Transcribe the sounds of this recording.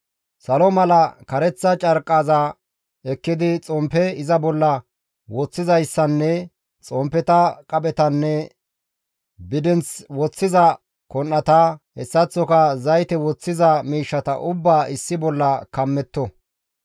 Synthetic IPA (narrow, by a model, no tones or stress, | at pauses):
sɐlɔmɐlɐkɐɾɛt͡sːɐt͡ʃʼɐɾkʼːaːzɐ | ɛkːɪd̪ɪt͡sʼɔmpɛɪzɐbɔlːɐ | wɔt͡sːɪzɐjsːɐnːɛ | t͡sʼɔmpːɛt̪ɐkʼɐbɛt̪ɐnːɛ | bɪd̪ɛnt͡swɔt͡sːɪzɐ | kɔnːɐt̪ɐhɛsːɐt͡sːɔkɐzɐjt̪ɛwɔt͡sːɪzɐmiːʃːɐt̪ɐ̰ʔʊbːaːʔɪsːɪbɔlːɐkɐmːɛt̪ːɔ